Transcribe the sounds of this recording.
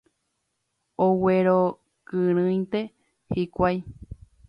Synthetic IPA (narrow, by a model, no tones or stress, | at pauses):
oweɾo | kɨɾ̃ɨ̃j̪̃t̪e̞ | hikʷaj